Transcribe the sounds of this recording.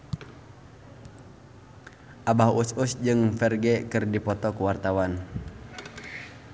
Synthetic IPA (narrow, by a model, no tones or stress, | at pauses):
ʔabaɦususd͡ʒɨŋfɛrɡɛkɨrdipɔt̪ɔkuwart̪awan